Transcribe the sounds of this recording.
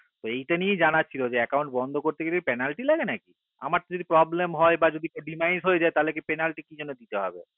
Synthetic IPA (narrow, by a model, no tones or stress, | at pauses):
t̪oejʈanied͡ʑanat͡ɕʰilod͡ʑeɛkaw̃ɳʈ̚bɔnd̪ʱokoɾt̪ekeɾipɛnalʈilaɡenaki | a̰maɾt̪ad͡ʑod̪ipɾɔblemɦɔebad͡ʑod̪ikoɖimajnsɦojed͡ʑaet̪alekepɛnalʈikid͡ʑonːod̪it̪eɦɔ̰bḛ